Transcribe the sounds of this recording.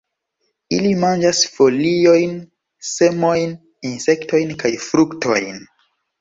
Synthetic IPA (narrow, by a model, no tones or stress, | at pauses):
ilimand͡ʒasfo̞lio̞jn | se̞mo̞jn | inse̞kto̞jnkajfɾukto̞̰jn